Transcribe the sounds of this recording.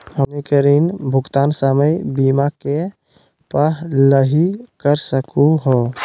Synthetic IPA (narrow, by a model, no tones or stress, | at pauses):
ɦənekəɾinbʱʊɡt̪aːnsəməjbiːmake | pələɦikəɾsəkuɦoː